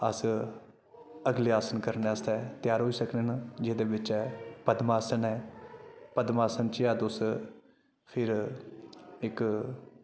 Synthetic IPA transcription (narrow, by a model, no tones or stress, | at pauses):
əs | əɡleːaːsənkəɾneəst̪ɛːt̪ɪjaːɾɦoːisəkneːnːd͡ʒeːd̪eːbɪt͡ʃɛːpəd̪maːsənɛː | pəd̪maːsənt͡ʃiaːd̪ʊs | pʰɪɾ | ɪk